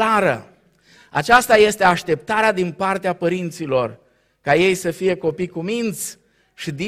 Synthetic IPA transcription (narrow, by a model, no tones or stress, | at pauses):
aɾə̰ | at͡ʃast̪aje̞st̪e̞aʃt̪e̞p̚t̪aɾead̪inpart̪eapəɾint̪silo̞r | kaje̞jsəfije̞ko̞pikumint̪sʲ | ʃid̪i